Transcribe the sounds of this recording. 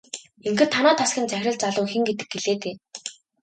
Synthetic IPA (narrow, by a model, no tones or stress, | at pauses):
eŋxɘ̆t̪ʰːanʊːt̪ʰaskʲĭnt͡sæxʲrʲə̆ɮt͡saɮʊːxĭŋɡet̪ɘ̥̆k̚ɡeɮeːt̪eː